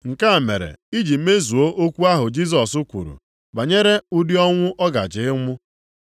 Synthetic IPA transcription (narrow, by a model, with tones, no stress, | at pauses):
ŋ̩˨ka˦˨mḛ˨ɾḛ˨i˦d͡ʒi˨˦me˦zu˨o˦ʔo˦kʷu˦a˦ɦʊ˨d͡ʒi˦s̬ɔ˨sʊ˦kʷṵ˨ɾṵ˨ | ba˨ɲe˦ɾe˦u˦di˦ɔ˦ŋʷʊ˦ʔɔ˦ɡa̰˨d͡ʒɪ˨ɪ˦ŋʷʊ˦